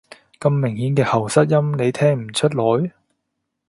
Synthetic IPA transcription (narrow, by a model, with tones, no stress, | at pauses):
kɐ˧mːɪ˨˩ŋhiː˨˥nkɛː˧hɐ˨˩wsɐ˥t̚jɐ˥mne˨˧jt̪ʰɛː˥ŋm̩˨˩t͡ʃʰɵ˥t̚lɔː˨˥j